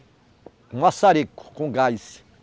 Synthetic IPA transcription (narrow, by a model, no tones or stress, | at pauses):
ũasaɾekʊ̥kõɡajsi̥